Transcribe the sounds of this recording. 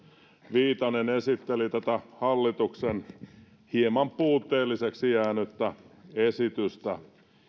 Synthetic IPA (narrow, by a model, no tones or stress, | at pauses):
ʋiːt̪ɑnenesit̪ːelit̪æt̪æhɑlːit̪uksen | hiemɑmpuːt̪ːeːlːiseksijæːnyt̪ːæesit̪yst̪æ